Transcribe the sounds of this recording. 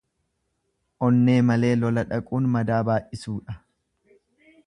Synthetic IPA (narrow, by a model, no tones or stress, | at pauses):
ʔɔnːe̞ːmɐle̞ːlɔlɐᶑɐkʼuːnmɐd̪aːbaːjʔɪsuːᶑɐ